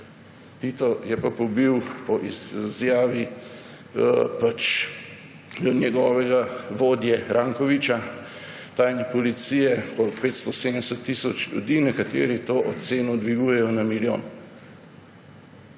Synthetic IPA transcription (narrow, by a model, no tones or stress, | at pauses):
t̪it̪ɔjɛpapɔbiwpɔʔizjaːʋi | pat͡ʃ | nʲjɛɡɔːʋɛɡaʋoːd̪jɛɾʔaːŋkɔʋit͡ʃa | t̪ajnɛpɔlit̪siːjɛkɔt̪peːt̪st̪ɔseːd̪ənɛsɛt̪ːisɔt͡ʃlʲjṵd̪iːnɛkat̪ḛːɾit̪oːʔɔseːnɔd̪ʋiɡujɛjɔnamiljo̰ːn